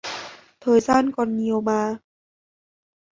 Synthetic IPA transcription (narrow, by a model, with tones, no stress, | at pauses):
t̪ʰɤː˧jsaː˥˩˨nkɔ˧nːi˧ə˧wmaː˧